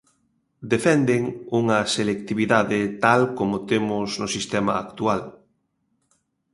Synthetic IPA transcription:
d̪efɛnd̪eŋuŋɐselek̚t̪iβiðaðɪt̪alkomʊt̪emʊznʊsist̪ɛmɐ̰akt̪ual

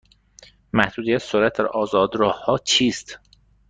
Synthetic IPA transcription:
mæhd̪̥uːd̪ijæt̪soɾæt̪̚d̪æɾʔɒːzɒːd̪ɾɒːhhːɒːt͡ʃʰiːst̪

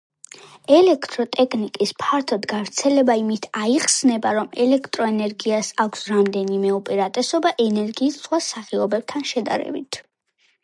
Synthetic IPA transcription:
ɛlɛkʰt̪ʼɾɔt̪ʼɛkʰnikʼispʰaɾt̪ʰɔd̪ɡavɾt̪sʰɛlɛbaimit̪ʰaiχsnɛbaɾɔmɛlɛkʰt̪ʼɾɔɛnɛɾɡiasakʷʰsɾamd̪ɛnimɛupʼiɾat̪ʼɛsɔbaʔɛnɛɾɡiːssχwasaχiɔbɛb̥̚t̪ʰanʃɛd̪a̰ɾɛ̰bit̪ʰ

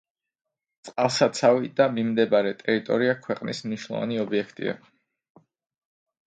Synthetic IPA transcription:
t̪sʼqʼalˠsat̪sʰavid̪amimd̪ɛbaɾɛt̪ʼɛɾit̪ʼɔ̰ɾiakʰwɛqʼnismniʃwnɔ̰va̰niɔbiɛkʰt̪ʼḭa̰

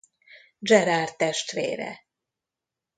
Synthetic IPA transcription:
d͡ʒɛɾaːrt̪ːɛʃt̪ʋḛːɾɛ̰

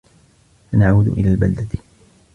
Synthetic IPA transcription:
fanaʕuːd̪ʊ̰ʔɪ̰laːlbald̪at̪

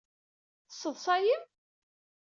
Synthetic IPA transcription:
θəsːəðˤsɑjəm

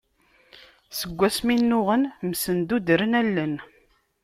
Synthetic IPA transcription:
səɡʷːæsminːʊʁənmsənd̪ud̪ɾənælːən

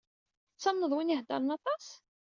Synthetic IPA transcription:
t͡sːæmnəðˤwinihd̪ɑ̰ɾˤənɑt̪ˤɑs

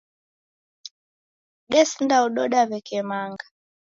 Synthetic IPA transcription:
ɗɛsindauɗɔɗaβɛkɛmaŋɡa

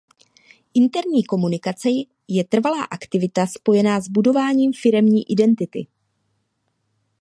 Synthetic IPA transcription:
ʔɪnt̪ɛɾɲiːko̞munɪkat͡sɛ | jɛt̪r̩valaːʔakt̪ɪvɪt̪aspo̞jɛnaːzbudo̞vaːɲiːmfɪɾɛmɲiːʔɪdɛnt̪ɪt̪ɪ̰

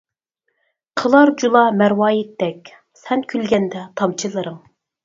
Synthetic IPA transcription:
qʰəlˠɑɾd͡ʒulˠɑmæɾwɑːjit̪ːɛkʲ | sɛnkʲʰylɡʲɛnd̪ɛt̪ʰɑmt͡ʃʰilˠɨɾɨŋ

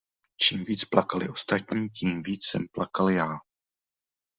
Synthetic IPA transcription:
t͡ʃiːmviːt͡splakalɪʔo̞st̪at̪ɲiːciːmviːt͡ssɛmplʔakaljaː

